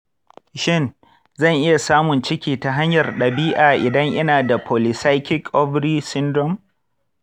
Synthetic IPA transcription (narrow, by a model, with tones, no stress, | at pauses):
ʃɪ˦˨n | zɐ˦˨ŋʔɪ˦ja˨saː˦mʊ˨nt͡ʃɪ˦kʲiː˨ta˨ɦa˦ɲjɐ˨rɗɐ˨biː˦ʔaː˨ʔɪ˨dɐ˦ŋʔɪ˦naː˨da˨pʰoː˨lɪ˨sa˦jkʲɪ˦kːɔ˦bɽiː˦sɪ˦ndɾɔ˦˨m